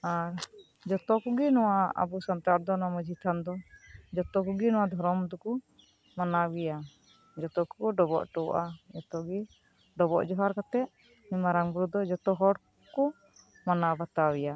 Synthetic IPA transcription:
aɾ | d͡ʒɔt̪ɔkuɡinɔwaa̰busant̪aɾd̪ɔnaməd͡ʒʱit̪ʰand̪ɔd͡ʒɔt̪ɔkuɡinɔwad̪ʱɔɾɔmd̪ɔku | manaɡɛja | d͡ʒɔt̪ɔkukɔɖɔbɔ̰ʔʈɔwʔad͡ʒɔt̪ɔɡi | ɖɔbɔʔd͡ʒɔɦaɾkat̪ɛʔ | mimaɾaŋbɾud̪ɔd͡ʒɔt̪ɔɦɔɽ | kɔ | manabat̪awɛja

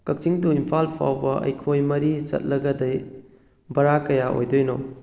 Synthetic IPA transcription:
kɐk̚t͡ʃiŋtuimpʰalpʰa̰wbɐɐ̰jkʰojmɐɾit͡ʃɐ̰t̚lɐɡɐdɐj | bɐɾakɐjao̰jdojno̰

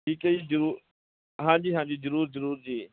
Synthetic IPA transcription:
iːkəiːzəɾuːɾ | ɦãːd͡ʒiːɦãːd͡ʒiːzəɾuːɾzəɾuːɾd͡ʒiː

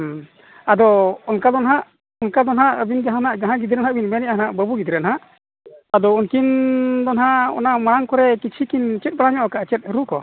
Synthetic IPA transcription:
ad̪ɔɔnkad̪ɔnɦaʔ | ɔnkad̪ɔnɦaʔəbind͡ʒaɦanaʔɡaɦãɡid̪ɾɛnhaʔbinmɛnɛʔaɦanaʔbəbuɡid̪ɾɛnɦaʔ | ad̪ɔunkind̪ɔnɦaɔ̰namaɽaŋkɔɾɛkit͡ʃʰikint͡ʃɛt̪̚baɽaɲɔʔɔkaʔt͡ʃɛt̪̚həɾukɔ

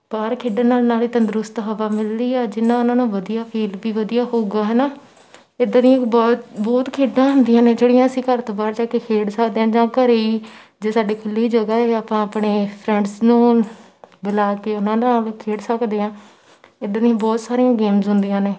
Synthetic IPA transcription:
baːɾkʰeːɖãːnaːlnaːliːt̪ə̃nd̪əɾʊst̪ɦəʋaːmɪld̪iːɛːd͡ʒɪnãːʊnãːnũːʋəd̪ijaːpʰiːlʋiːʋəd̪ijaːɦoːɡaːɦɛːnaː | ɪd̪aːnĩːkbɔːt̪bɔːt̪kʰeːɖãːɦʊ̃nd̪ɪjãːnẽːd͡ʒeːɽijãːəsĩːkəɾt̪oːbaːɾd͡ʒaːkeːkʰeːɽsəkd̪eːãːd͡ʒãːkəɾeiː | d͡ʒeːsaːɖiːkʰʊlːiiːd͡ʒəɡaːɛːaːpãːaːpɳeːpʰɾɛ̃ːɳɖsnũː | bəlaːkeːʊnãːdaːlkʰeːɽsəkd̪eːãː | ɪd̪aːnĩãːbɔːt̪saːɾijãːɡeːmzɦʊnd̪ijãːneː

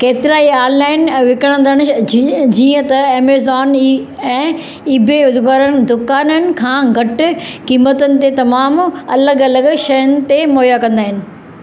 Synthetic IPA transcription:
keːt̪ɪɾaːiaːlnaːɪnʋɪkəɽ̃ə̃nd̪ʱəɽ̃ɪd͡ʑiːə̃t̪ɐeːmezɔːni | ɛ̃ː | ɪbʱeʊd̪ʱʋəɾənɪ̆d̪ʊkaːnənɪ̆kʰãːɡʱɐʈʊ̆kiːmət̪ənɪ̆t̪et̪ɐmaːmɐləɡɐləɡʃɐjənɪ̆t̪emoːɦjakɐ̃nd̪aːɦɪnɪ̆

